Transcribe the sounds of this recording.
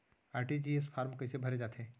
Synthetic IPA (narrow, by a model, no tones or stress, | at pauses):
aːɾʈid͡ʒiespʰaːɾmkɐɪsebʱɐɾed͡ʒaːt̪eː